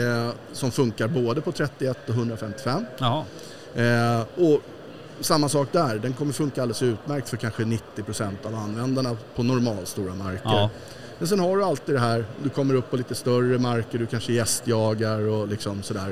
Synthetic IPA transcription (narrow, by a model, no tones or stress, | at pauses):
sɔmfɵŋkaɾboːd̪əpʰɔt̪ʰɾɛt̪ːɪɛt̪ːɔɦɵnd̪ɾafɛmt̪ɪ̥fɛmː | ɔ | samːasɑːk̚d̪æɾɖɛnkʰɔmːəɾfɵŋkaald̪ɛsʉ̟ːt̪mæɾk̚t̪fœɾkʰanɧənɪt̪ːɪpʰɾʊsɛnt̪avanːvɛnd̪aɳapʰɔnɔɾmɑːlst̪uːɾamaɾkə | mɛns̬ɛnhaɖɵalt̪ɪd̪ɛɦæːɾd̪ɵkʰɔmːəɾɵpːɔliːt̪əst̪œrəmaɾkəɖ̪ɵkʰanʂəjɛst̪jɑːɡaɾɔlɪksɔmsɔd̪æːɾ